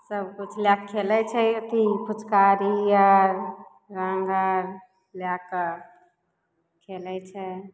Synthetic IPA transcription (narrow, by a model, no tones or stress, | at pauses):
səbkut͡ʃʰljakʰːelɛt͡ʃʰɛət̪ʰipʰut͡ʃkaɾiəɾ | ɾãŋɡəɾ | ljak | kʰelɛt͡ʃʰɛ